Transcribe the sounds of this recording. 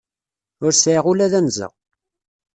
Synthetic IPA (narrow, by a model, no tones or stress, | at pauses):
ʊɾsʕiʁulæðænzə̰ʁ